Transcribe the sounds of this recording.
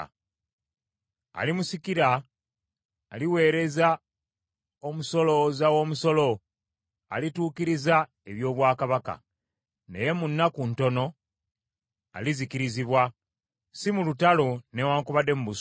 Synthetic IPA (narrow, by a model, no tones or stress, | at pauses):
a̰limusikiɾa | liwe̞ːɾe̞za | o̞muso̞lo̞zawo̞ːmuso̞lo̞ | a̰lituːkiɾiza | e̞βjo̞ːβwaːkaβaka̰ | ne̞̰je̞munːakunto̞no̞ | a̰lizikiɾiziβwa | simulutalo̞newaːŋkuβade̞muβus